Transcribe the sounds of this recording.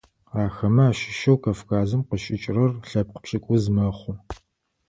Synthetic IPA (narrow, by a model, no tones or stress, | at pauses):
aːxɐmɐaːʃɪ̥ʃɐwkʰɐfkʰaːzɨmqəʃʼɪt͡ʃʼrɐrɬɐp̚qə̥pɕʼɪkʷʼʊzmɐχʷʊ